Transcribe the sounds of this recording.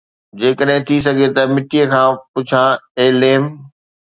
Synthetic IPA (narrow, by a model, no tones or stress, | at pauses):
d͡ʑeːkəɗɦɪ̃t̪ʰis̬ɐɡʱet̪ɐmɪʈijəkʰãːpʊt͡ɕʰãːeːleːm